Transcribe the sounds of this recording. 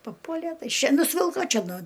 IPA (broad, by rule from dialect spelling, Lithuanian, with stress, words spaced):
pɐˈpuɔlʲɛ ˈtɐɪ ˈʃʲɛ nʊsʲˈʋʲɪlˠkoː ˈt͡ʃʲɛ ˈnʊ